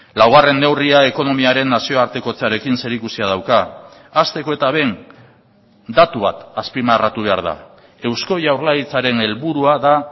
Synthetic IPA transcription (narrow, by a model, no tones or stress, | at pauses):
lawɣ̞are̞nːe̞wriae̞ko̞no̞miaɾe̞nːasio̞aɾt̪e̞ko̞t͡saɾe̞kinse̞ɾikusiað̞awkaː | st̪e̞ko̞e̞t̪aβ̞e̞n | d̪at̪uβat̪aspimarat̪uβ̞e̞a̰ɾð̞a̰ | e̞wsko̞jawɾlait͡saɾe̞ne̞lβuɾuaða